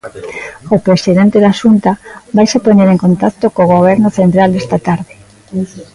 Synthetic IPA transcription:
opɾesiðɛnt̪eðaʃunt̪abajsepoɲeɾeŋkont̪akt̪okoɣ̞oβ̞ɛɾnʊθent̪ɾald̪est̪at̪aɾðe

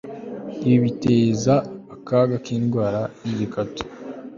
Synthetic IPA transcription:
iβiteːzaːkaɡakiːnɡwaːɾaniɟikato̥

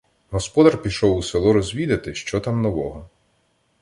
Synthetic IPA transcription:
ɦɔspɔd̪ɐrpʲiʃɔwuselˠɔɾɔzʲʋʲid̪ɐt̪ɪʃt͡ʃɔt̪amnɔʋɔɦɔ

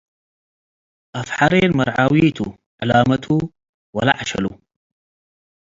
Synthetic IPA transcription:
ʔafħɑɾˤeːnmɑɾˤʕawiːt̪u | ʕalaːmat̪ʰu | wala̰ʕaʃa̰lṵ

